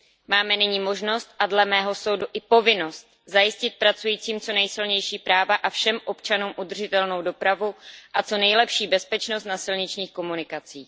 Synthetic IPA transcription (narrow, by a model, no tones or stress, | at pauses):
maːmɛnɪɲiːmo̞ʒno̞st̪ʔadlɛmɛːɦo̞so̞wduʔɪpo̞vɪno̞st̪̚ | zajɪscɪt̪̚pɾat͡sujiːt͡siːmt͡so̞nɛjsɪlɲɛjʃiːpɾaːvaʔafʃɛmʔo̞pt͡ʃanuːmʔud̪r̩ʒɪt̪ɛlno̞wdo̞pɾavuʔat͡so̞nɛjlɛpʃiːbɛspɛt͡ʃnost̪nasɪlɲɪt͡ʃɲiːxko̞munɪkat͡siː